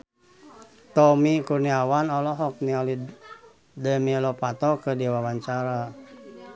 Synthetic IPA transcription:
t̪ɔmikurniawanɔlɔɦɔk̚niɔli | dəmilɔpat̪ɔkədiwawaɲt͡ʃaɾa

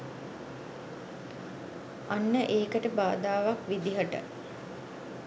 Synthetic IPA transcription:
anːəʔeːkəʈəbaːd̪aːʋakʋid̪iɦəʈə̰

